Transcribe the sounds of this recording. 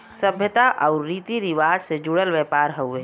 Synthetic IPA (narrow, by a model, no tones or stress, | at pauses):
səbʱjət̪aʔɔʊɾːiːt̪iɾiʋaːd͡ʒsed͡ʒuɽəlʋɛːpaːɾɦəeː